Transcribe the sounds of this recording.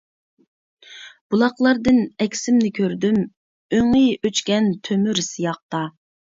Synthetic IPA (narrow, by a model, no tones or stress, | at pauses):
b̥ulˠɑqlˠɑɾd̪ɨnɛkʲsɪmnɪkʲʰøɾd̪ym | øŋijøt͡ʃkʲɛnt̪ʰømyɾsijɑq̚t̪ɑ